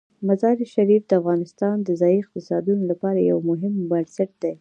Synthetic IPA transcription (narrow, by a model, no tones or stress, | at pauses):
mazɑɾiʃaɾifd̪əafɣɑnɪst̪ɑnd̪əzɑjiɪq̚t̪ɪsɑd̪unolapɑɾaja̰wmʊɦɪmbaɾsaʈ̚d̪̥e